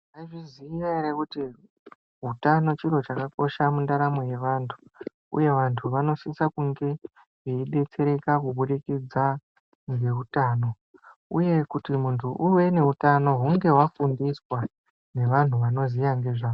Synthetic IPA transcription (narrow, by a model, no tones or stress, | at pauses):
aiʐiziiʋaiɾekuti | ɦutano̞t͡ʃiro̞t͡ʃakako̞ʃamundaɾamo̞je̞ʋaːntʰu̥ | ṵje̞ʋantʰuʋano̞sisakuŋɡe̞ | ɦeiɗe̞t͡se̞ɾe̞kakuɓuɾikid͡za | ŋɡe̞utaːno̞ | ṵje̞kutimuntʰuʔuʋe̞ne̞utano̞ɦuŋɡe̞wafundiswa | ne̞ʋan̤uʋano̞zijaŋɡe̞ʐaːo